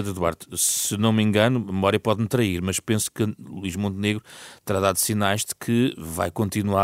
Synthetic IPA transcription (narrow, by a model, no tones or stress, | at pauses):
ðuðwa̰ɾðu̥sɨnɐ̃w̃mẽŋɡɐnumɨmɔɾiɐpɔðmt̪ɾɐiɾmɐʃpẽsu̥kɨlˠuiʒmõnt̪neɣɾut̪ɨɾaðaðusinajʒðɨkʰɨva̰jkõnt̪inwa